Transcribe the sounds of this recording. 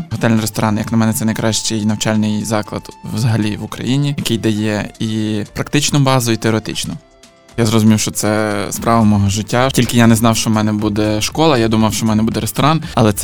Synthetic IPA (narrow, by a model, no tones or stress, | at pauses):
ɦɔt̪ɛlʲnɐɾest̪ɔɾɑnjɐknɐmɛnɛt̪sɛnɐjkɾɑʃt͡ʃʲɪjnɐwt͡ʃɑlʲnɪjzɑklˠɐ̰d̪̥ʋzɐɦɐlʲiʋʊkɾɐ̰jinʲijɐkɪjd̪ɐjɛipɾɐkt̪ɪt͡ʃnʊbɑzɔit̪eɔɾet̪ɪt͡ʃnʊ | jazrɔzʊmʲiwʃt͡ʃɔt̪sɛspɾɑʋɐmɔɦɔʒɪtʲːatʲilʲkɪjanɛznɑwʃt͡ʃɔmɛnɛbud̪ɛʃkɔlˠɐjad̪umɐwʃt͡ʃɔmɛnɛbud̪ɛɾest̪ɔɾɑnɐlˠɛt̪sɛ